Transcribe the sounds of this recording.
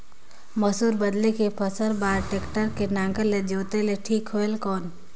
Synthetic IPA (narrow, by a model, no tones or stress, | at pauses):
məsuːɾbəd̪lekepʰəsəɾbaːɾʈeːkʈəɾkenãːŋɡəled͡ʒoːt̪eleʈʰiːkɦoelkɔːn